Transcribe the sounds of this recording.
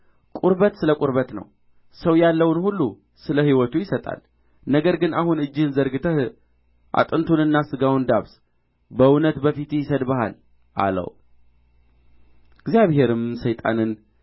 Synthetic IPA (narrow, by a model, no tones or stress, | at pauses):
kʼuɾβət̪sɨləkʼuɾβət̪nə̰w | səwjalːəwnhulːu | sɨləhiwɔt̪ʰujɪsət̪ʼa̰l | nəɡəɾɡɨnahunɨd͡ʒːɪhɨnzəɾɡɨt̪ʰəh | ʔa̰t̪ʼɨnt̪ʰunɨnːasɨɡawnd̪aβs | bəɨnət̪bəfit̪jɪsəd̪bəhal | ʔa̰lə̰w | ɨɡzijaβhe̞ɾɨmsəjt̪ʼa̰nɨn